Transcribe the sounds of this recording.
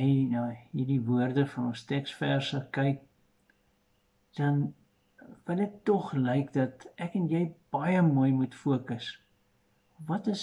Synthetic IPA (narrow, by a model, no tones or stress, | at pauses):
ɛjnɑːɦiːrdivuərdəfɐnɔnstɛkstfærsəkɛjk̚ | d̥ɐn | vəlɛk̚tɔχləjkdɐtʔɛkənjəjb̥ɐjəmuəjmutfuəkəs | vɐtəs